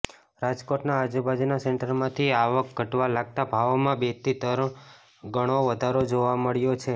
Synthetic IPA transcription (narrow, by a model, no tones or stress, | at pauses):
ɾad͡ʒkoʈnaəd͡ʒubad͡ʒinasɛɳʈəɾmãt̪ʰiaʋək̚ɡʱəʈʋalaɡ̚t̪abʱaʋmãbet̪it̪əɾ | ɡəɽ̃oʋəd̪ʱaɾod͡ʒoʋaməɭjot͡ʃʰe